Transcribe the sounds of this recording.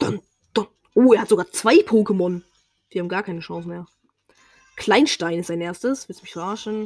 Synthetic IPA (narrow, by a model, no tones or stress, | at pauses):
d̥an | d̥an | ʔoːeːɐhatz̥oɡaːɐt͡sv̥aɪpʰoːkəmɔn | v̥iːhaːm̩ɡaːɐkʰaɪnəʃɔ̃ŋsn̩meːɐ | kʰl̥aɪnʃtaɪnɪstz̥aɪnʔeːɐstəsvɪsmɪçʁaːʃn̩